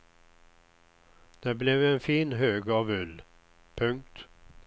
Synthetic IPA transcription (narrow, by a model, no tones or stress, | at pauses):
d̪̥ɛblɛvɛnfiːnɦøːɡɑvɵlː | pʰɵŋk̚t̪